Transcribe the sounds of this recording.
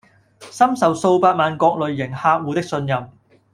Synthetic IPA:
sɐ˥msɐ˨wso˧wpaː˧t̚maː˨nkɔː˧k̚lɵ˨ɥːɪ˨˩ŋhaː˧k̚wuː˨˧t̪ɪ˥k̚sɵ˧njɐ˨m

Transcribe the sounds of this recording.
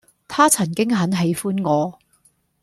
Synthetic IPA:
t̪ʰaː˥t͡sʰɐ˨˩nkɪ˥ŋɦɐ˨˥nɦe˨˥jfuː˥nŋɔː˨˧

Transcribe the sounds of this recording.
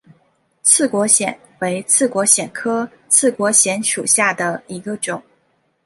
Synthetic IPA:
t͡sʰɹ̩˥˩kwɔ˧˥ɕjɛ˨˩˦n | we˧˥ɪt͡sʰɹ̩˥˩kwɔ˧˥ɕjɛ˨˩nkʰɤ˥ | t͡sʰɹ̩˥˩kwɔ˧˥ɕjɛ˧˥nʂṵ˨˩ɕja˥˩d̪ə˩i˧˥ɡə˧ʈ͡ʂʊ˨˩˦ŋ

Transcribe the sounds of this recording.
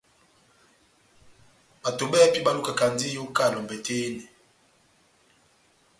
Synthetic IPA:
ba˨to˨ɓɛ˦pi˦ɓa˦lu˦ka˨ka˨nd͡zi˦jo˦ka˦˨lɔ˨m˨bɛ˨teː˦nɛ˨

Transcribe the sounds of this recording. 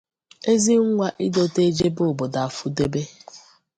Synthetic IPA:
e˦zi˦ŋ̩˦ŋʷa˦ʔi˦do˨te˦d͡ʒe˦bʊ˦˨bo˨da˨a˨fu˦de˦be˦

